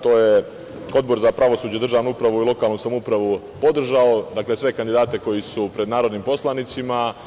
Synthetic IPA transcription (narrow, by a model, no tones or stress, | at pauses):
t̪o̞ːje | o̞d̪bo̞ɾzapɾʔaʋo̞suːd͡ʑed̪rʒaːʋnuupɾaʋuilˠo̞kaːlˠnusamupɾaʋu | po̞d̪r̩ʒao̞d̪aːkle̞sʋe̞kand̪id̪aːt̪e̞ko̞jisupɾe̞d̪naːɾo̞d̪nimpo̞slˠanit̪sima